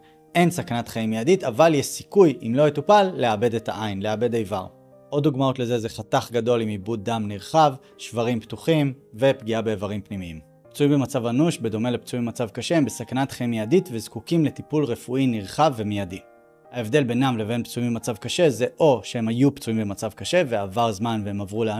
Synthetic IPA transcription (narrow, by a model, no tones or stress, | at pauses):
ʔe̞nsakanat̪χaimjaditavaljeʃsi̥kujḭmlo̞etupalːeabe̞deta̰ʔajnleabe̞dajva̰ʁ | ʔo̞d̪uɡmao̞tle̞ze̞ze̞χataχɡado̞limibud̚amniʁχav | ʃvaʁimptuχimve̞pɡiabe̞ːvaʁimpnimiim | pt͡suimbemat͡savanuʃbe̞d̪o̞melept͡suimbemat͡savkaʃembe̞sakanatχemiaditvezkukimle̞tipulʁe̞fuiniʁχavːemijadi | hae̞vd̪e̞lbe̞namleve̞npt͡suimbemat͡savkaʃe̞ze̞ʔo̞ʃehe̞majupt͡suimbemat͡savkaʃe̞veavaʁzmanvehemavʁulea